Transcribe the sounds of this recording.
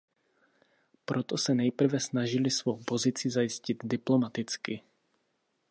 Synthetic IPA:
pɾot̪osɛnɛjpr̩vɛsnaʒɪlɪsvowpozɪt͡sɪzajɪscɪd̪dɪplomat̪ɪt͡skɪ

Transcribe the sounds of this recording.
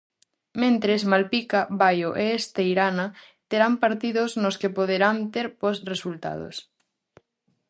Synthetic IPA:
mẽnt̪ɾesmalpikaβajoʔeest̪ejɾana | t̪eɾampaɾt̪iðoznoskepoð̞eɾant̪eɾposresult̪a̰ðo̰s

